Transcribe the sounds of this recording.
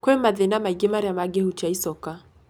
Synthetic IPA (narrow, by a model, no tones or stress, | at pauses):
kwɛmaðɛnamaiɡɛmaɾjamaɡɛhut͡ʃaisɔka